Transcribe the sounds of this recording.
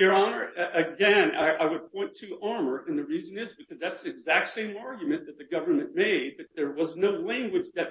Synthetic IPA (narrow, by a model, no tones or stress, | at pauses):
jə˞ɑnə˞ʔɨɡɛ̃nʌ̰ɪʔaɪwɨd̚pʰɔ̃ɪ̃ntʰɨʔɑɹmə˞ʔɨ̃nðɨɹizɨ̃nɪzbɨkʰʌzðætsðiɨɡzæk̚tsẽɪ̃mɑɹɡjɨmɨ̃nðɨt̪̚ðɨɡʌvə˞mɨ̃nmeɪd̚b̥ʌt̪̚ðə˞wʌznoʊlæ̃ŋɡwɨd͡ʒðɨt̚